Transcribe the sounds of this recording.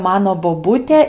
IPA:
ˈmɑːnoː boːˈbuːtʲeː

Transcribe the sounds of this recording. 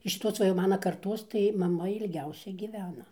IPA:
ɪʃ ʃʲɪˈtoːs ˈʋɐ jɛʊ ˈmɑːnɐ kɐrˈtoːs tɐɪ mɐˈmɐ ɪlʲˈɡʲɛʊsʲɛ ɡʲiːˈʋʲæːnɐ

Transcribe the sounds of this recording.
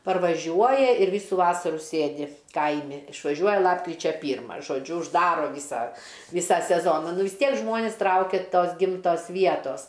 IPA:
pɐrʋɐˈʒʲuɔjɛ ɪr ˈʋʲiːsuː ˈʋɑːsɐruː ˈsʲeːdʲɪ ˈkɐɪmʲɪ ɪʃʋɐˈʒʲuɔjɛ ˈlˠɑːpkrʲɪt͡ʃʲɛ ˈpʲiːrmɐ ʒoːˈd͡ʒʲʊ ʊʒˈdɑːroː ˈʋʲiːsɐ ˈʋʲiːsɑː sʲɛˈzoːnɐ ˈnʊ ʋʲɪs ˈtʲiɛk ˈʒmoːnʲɪs ˈtrɐʊkʲɛ ˈtoːs ˈɡʲɪmtoːs ˈʋʲiɛtoːs

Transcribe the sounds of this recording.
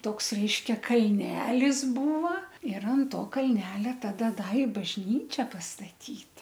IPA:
ˈtoːks ˈrʲɛɪʃʲkʲɛ kɐlʲˈnʲæːlʲɪs ˈbuːʋɐ ɪr ɐn ˈtoː kɐlʲˈnʲæːlʲɛ ˈtɑːdɐ ˈdɐ ɪ bɐʒʲˈnʲiːt͡ʃʲɛ pɐstɐˈtʲiːt

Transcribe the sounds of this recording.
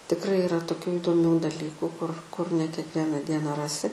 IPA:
tʲɪkˈrɐɪ ɪˈrɐ toːˈkʲuː iːdoːˈmʲuː dɐˈlʲiːkʊ kʊr kʊr nʲɛ kʲiɛkˈʋʲiɛnɐ ˈdʲiɛnɐ ˈrɑːsʲɪ

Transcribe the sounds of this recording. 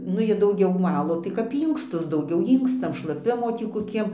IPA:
ˈnʊ ˈjiɛ dɐʊˈɡʲɛʊ ˈʋɑːlˠoː tɐɪ kɐp ˈiːŋkstʊs dɐʊˈɡʲɛʊ ˈiːŋkstɐm ʃlˠɐˈpʲɪmoː ˈtʲiː koːˈkʲiɛm

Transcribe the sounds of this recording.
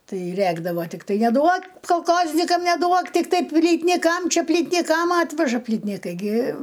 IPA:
ˈtɐɪ ˈrʲæɡdɐʋoː tʲɪkˈtɐɪ nʲɛˈduɔk koːlˠˈkoːzʲnʲɪkɐm nʲɛˈduɔk tʲɪkˈtɐɪ pʲlʲiːtʲnʲɪˈkɐm ˈt͡ʃʲɛ pʲlʲiːtʲnʲɪˈkɐm ˈɑːtʲʋʲɛʒɐ pʲlʲiːtʲnʲɪˈkɐɪ ɡʲɪ

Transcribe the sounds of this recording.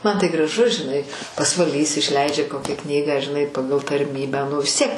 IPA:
mɐn tɐɪ ɡrɐˈʒʊ ʒʲɪˈnɐɪ pɐsʋɐˈlʲiːs ɪʃʲˈlʲɛɪd͡ʒʲɛ ˈkoːkʲæː ˈknʲiːɡɑː ʒʲɪˈnɐɪ ˈpɑːɡɐlˠ tɐrʲˈmʲiːbʲæː ˈnʊ ʋʲɪs ˈtʲiɛk

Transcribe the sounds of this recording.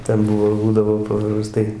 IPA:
ˈtʲɛn ˈbʊʋoː ˈbuːdɐʋoː pɐprɐˈstɐɪ

